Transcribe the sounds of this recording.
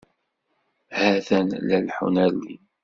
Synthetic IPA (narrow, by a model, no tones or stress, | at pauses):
hæθænlælħṵnæɾlḭ